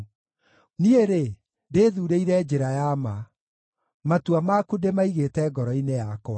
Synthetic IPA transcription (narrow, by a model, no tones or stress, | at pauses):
nieɾe | deːðuːɾeiɾɛd͡ʑeɾajama | matuamakudemaiɣetɛɡɔɾɔinejakɔa